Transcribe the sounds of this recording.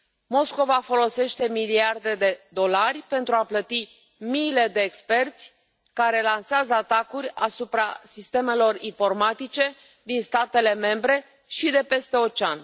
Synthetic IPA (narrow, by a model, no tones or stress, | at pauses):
mo̞sko̞vafo̞lo̞se̞ʃt̪e̞miliard̪e̞d̪e̞d̪o̞larʲpe̞nt̪ɾuaplət̪i | miːle̞d̪e̞ːkspe̞rt̪sʲ | kaɾe̞lanseazəat̪akurʲa̰supɾa̰sist̪e̞melo̞rinfo̞rmat̪it͡ʃe̞ | d̪inst̪at̪e̞le̞me̞mbɾe̞ | ʃid̪e̞pe̞st̪e̞ot͡ʃanʲ